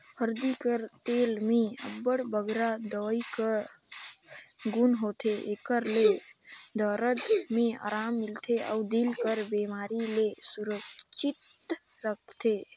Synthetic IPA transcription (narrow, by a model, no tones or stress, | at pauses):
həɾd̪ikəɾt̪elmeə̰bːəɽbəɡɾad̪əikəɾ | ɡunɦot̪ʰeʔekəɾled̪ʱəɾət̪mea̰ɾamːilt̪ʰea̰ud̪ilkəɾbemaɾilesuɾəkt͡ʃit̪ | ɾək̚ʰt̪ʰe